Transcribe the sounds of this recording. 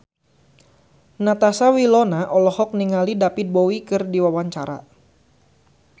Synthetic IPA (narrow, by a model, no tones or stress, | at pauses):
nat̪asawilɔnaʔɔlɔhɔk̚niŋalidapit̪̚bowikɨrdiwawaɲt͡ʃaɾa̰